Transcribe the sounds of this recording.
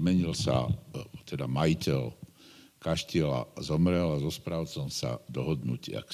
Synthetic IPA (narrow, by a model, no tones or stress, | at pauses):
mɛɲilsa̰t̪ɛd̪amajicɛl | kaʃcɪɛla̰zɔmɾɛlazɔspɾaːʊt͡sɔmsa̰d̪ɔɦɔd̪nucɪa̰k